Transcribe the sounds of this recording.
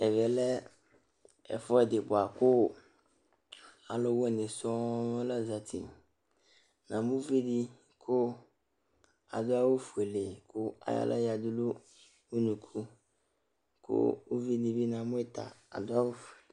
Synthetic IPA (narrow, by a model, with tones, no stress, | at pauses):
ɛ˨vɛ˨lɛ˦ | ɛ̰˨fɔ˦ɛ˨dɪ˨bʊ˨a˨kʊ˦˨ | a˨lɔ˦wo˦ɛ˨nɪ̃˨sɔ˦mʊ̃˦la˦za˨tʰḭ˨ | nã˨mʊ̃˦vi˦di˦ | kʰʊ˦ | a̰˨dʊ˦a˦wo˦fu˨e˨le˨kʰʊ˦a̰˨ja̰˦lʔa̰˦ja˨dʊ˦lu˦ | u˦nũ˨kʰu˦ | kʰʊ̰˦u˦vi˦di˨bi˦nã˨mʊ̃˦ɛ˦t̪ʰa̰˨a̰˨dʊ˦a˦wo˦fu˨e˨